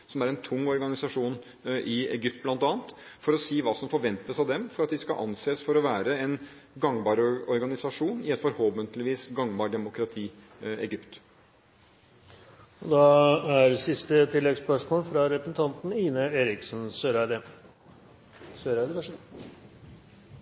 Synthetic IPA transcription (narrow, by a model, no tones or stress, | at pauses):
sɔmæɾɛnt̪ʰʊŋːɔɾɡɑnɪsɑʂuːn | ʔɪɛ̰ɡʏp̚t̪̚blɑnt̪ɑːnt̪fɔɾɔsiːʋɑːsɔmfɔɾʋɛnt̪əsɑʋd̪ɛmfɔɾɑt̪̚d̪ɪskɑ̰ʔɑ̰nseːsfɔɾɔʋæːɾəɛn | ɡɑŋbɑːɾɔɾɡɑnɪsɑʂuːnɪɛt̪fɔɾhoːʋənt̪lɪʋiːsɡɑŋbɑːɖɛmʊkɾɑt̪ʰiː | ɛ̰ɡʏpt̪ | ɔd̪ɑæɾsɪst̪ət̪ʰɪlːɛɡspœʂmoːlfɾɑɾɛpɾəsn̩t̪ʰɑnt̪n̩iːnəeːɾɪksnsøɾæd̪ə | søɾæd̪ə